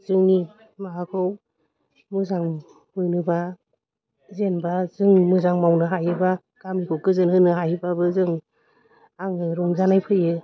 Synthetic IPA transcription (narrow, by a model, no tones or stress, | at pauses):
zɯŋni | maɦakʰɯw | mɯzaŋ | mɯjnɯba | zenbazɯŋmɯzaŋmawnɯɦajɯba | ɡ̥amikʰɯwkɯzɯnhɯnɯɦajɯbabɯzɯŋ | aŋɯɾɔŋzanajpʰɯjɯ